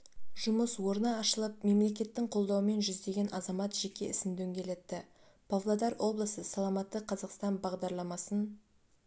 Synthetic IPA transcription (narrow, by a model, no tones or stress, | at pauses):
ʒ̥ʊməswo̞ɾnɑːʃəlˠəp̚me̞mle̞kʲe̞t̪ːɪŋqʰo̞lˠd̪ɑwəme̞nʒʏzd̪e̞ɡʲe̞nʔɑzɑmɑt̪ʒ̥e̞kʲe̞ɪsɪmd̪ɵŋɡʲe̞le̞t̪ːɪ | b̥ovlˠɑd̪ɑɾwo̞blˠəsəsɑlˠɑmɑt̪ːəqʰɑzɑqst̪ɑnbɑʁd̪ɑɾlˠɑmɑsən